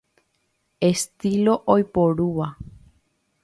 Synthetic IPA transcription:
e̞st̪ilo̞ʔojpoɾuʋa

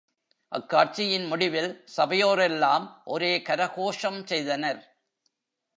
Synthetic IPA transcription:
ʔɐ̰kːaːʈ̚t͡ʃɪjɪnmʊɽɪʋɪlsɐbɐjoːɾɛlːaːmʔɔɾeːkɐɾɐɣoːʂɐmsɛjðɐnɐɾ

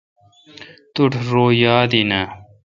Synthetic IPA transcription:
t̪uʈʰɾoːjaːd̪inɐ

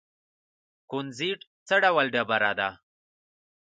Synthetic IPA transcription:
kunziʈt͡səɖawəlɖabaɾad̪a

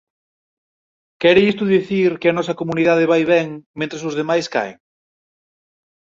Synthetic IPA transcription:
kɛɾɪʎist̪uðiθiɾkɪɐnɔsɐkomuniðað̞ɪβajβɛŋmẽnt̪ɾesʊzðemajska̰e

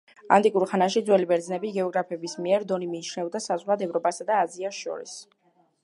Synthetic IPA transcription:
a̰nt̪ʼikʼuɾχanaʃid̪zwɛlibɛɾd̪znɛbiɡɛɔɡɾapʰɛbismiɛɾd̪ɔnimiːt͡ʃʰnɛvd̪asazʁwlad̪ɛvɾɔpʼasad̪aːziasʃɔ̰ɾḭs

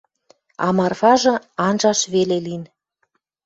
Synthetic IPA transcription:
ɑ̰mɑrfɑʒɤ̆ɑnʒɑʃβelelin

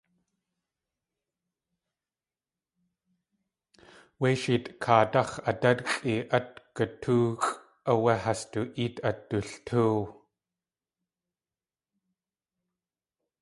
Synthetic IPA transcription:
weʃit̪ʼkʰaːtɐχɐtadkʼiʔɐt̪kətʰuːkʼ | ʔɐweɦastuʔit̪ɐt̪ːuɬtʰu

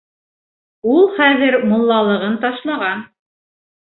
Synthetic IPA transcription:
ulˠχæðɘɾmŏlˠːɑlˠɤ̆ʁɤnt̪ɑʃlˠɑʁɑn

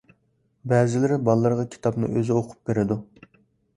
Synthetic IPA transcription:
bɛːzɪlɪɾɪbɑlˠːəɾʁɑkʲʰi̥t̪ʰɑpnɨ̰ʔøzɪoqʰʊ̥p̚beɾɪd̪u

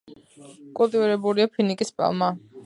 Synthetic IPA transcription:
kʼulˠt̪ʼiviɾɛbuliapʰinikʼispʼa̰lˠma

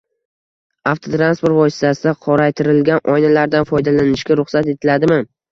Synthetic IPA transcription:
aft̪ʰot̪ɾanspo̞ɾt̪vɒsɪ̥t̪ʰasɪd̪aqʰɒɾajt̪ʰɪɾɪlɡʲanʔɒjnalaɾd̪anfɒjd̪alanɪʃkʲaɾʊχsat̪e̞t̪ʰɪlad̪ɪmɪ

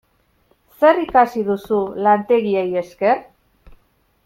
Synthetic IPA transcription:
se̞rikasiðusulant̪e̞ɣieje̞ske̞r

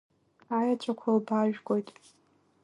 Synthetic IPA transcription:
ajat͡ʃʷʰʼakʷʰalbaʒᶣɡʷo̞jtʼ

